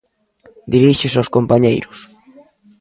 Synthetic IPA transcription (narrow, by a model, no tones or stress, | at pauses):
d̪iɾiʃɪsawskompaɲḛjɾʊs